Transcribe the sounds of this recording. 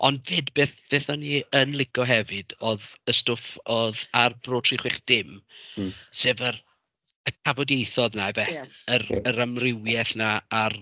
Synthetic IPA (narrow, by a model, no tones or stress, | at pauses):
ɔ̰ndveːdbeːθb̥eːθɔniənlˠɪɡɔɦɛvɨdɔðəstʊfɔðarbroːtʰr̥iχwɪχd̥ɪm | seːvər | əkʰavɔdejθɔðnavɛərəɾamrɪwjɛθnaːr